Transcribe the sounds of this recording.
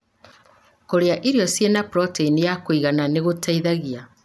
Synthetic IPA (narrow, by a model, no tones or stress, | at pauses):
koɾeaʔiɾiɔsjenapɾɔteinijakoiɣananeɣotʰaiðaɣia